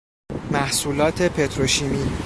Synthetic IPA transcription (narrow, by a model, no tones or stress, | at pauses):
mæhsuːlɒːt̪ʰe̞pʰe̞t̪ʰɾoʃimiː